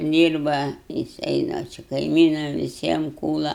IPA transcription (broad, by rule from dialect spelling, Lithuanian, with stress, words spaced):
ˈdʲiːrbɐ jɪˈsɐɪ dɐr ˈt͡ʃʲɛ kɐɪˈmʲiːnɐm ʋʲɪˈsʲiɛm ˈkuːlˠɐ